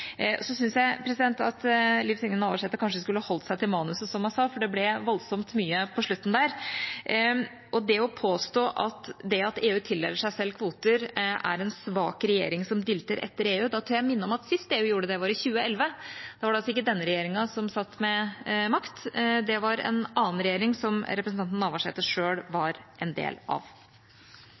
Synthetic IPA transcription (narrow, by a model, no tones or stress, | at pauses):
sɔsʏnsjæɪpʰɾɛsɪd̪ɛnt̪ɑt̪lɪfsɪŋːənɑːʋəʂɛt̪ːəkʰɑnʂəskʉlːəhɑhɔlt̪sæɪt̪ʰɪlmɑːnʉsəsɔmhɑnsɑːfɔɖɛblɛʋɔlsɔmt̪myːəpʰɔʂɭʉt̪ːn̩d̪æɾ | ʔɔd̪ɛɔpʰoːst̪oːʔɑt̪d̪ɛɑt̪eːʉːt̪ʰɪlːɛ̰lːəʂæɪsɛlːkʰʋuːt̪əɾʔæ̰ɾɛnsʋɑ̰ːkɾɛjḛːɾɪŋsɔmd̪ɪlt̪əɾʔɛ̰t̪ːəɾeːʉːd̪ɑt̪ʰuːɾjæɪmɪnːəɔmɑt̪sɪst̪eːʉːjuːɖəd̪ɛʋɑːɾɪçʉːəɛlʋəd̪ɛʋɑɖɛɑlsɔɪkːəd̪ɛnːəɾɛjeːɾɪŋɑsɔmsɑt̪ːmɛmɑkt̪d̪ɛʋɑɾɛ̰nʔɑːnɾɛjeːɾɪŋsɔmɾɛpɾəsnɑnt̪nːɑʋɑʂḛːt̪əʂøːɽʋɑɾʔɛnd̪ḛːlɑ̰ʋ